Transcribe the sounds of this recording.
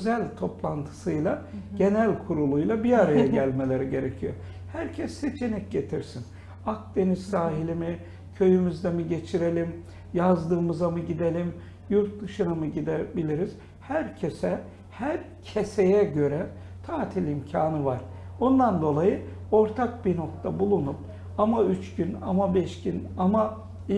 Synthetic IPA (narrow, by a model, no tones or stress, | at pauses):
øzælʲt̪ʰo̞plˠant̪ʰɯ̥sɯjlˠaɟe̞nælʲkʰuɾulˠujlˠabiaɾajaɟælʲme̞lʲe̞ɾiɟe̞ɾecʰijo | hæɾcʰɛsːe̞t͡ʃʰe̞nɛc̚ɟe̞t̪ʰiɾsin | ak̚d̪̥e̞nizsaːɦilʲimi | cʰø̞jymyzd̪emiɟe̞t͡ʃʰiɾe̞lʲim | jazd̪ɯːmɯzamɯɟid̪e̞lʲim | juɾt̪̚d̪ɯʃɯnamɯɟid̪ebilʲiɾiz̥ | hæɾcʰe̞sɛ | hæɾcʰe̞sejɛɟø̞ɾæn | t̪ʰaːt̪ʰilʲimcʰaːnɯvaɾ̥ond̪and̪o̞lˠajɯo̞ɾt̪ʰak̚biɾno̞kt̪ʰabulˠunup̚ | amayt͡ʃɟynamabɛʃcinama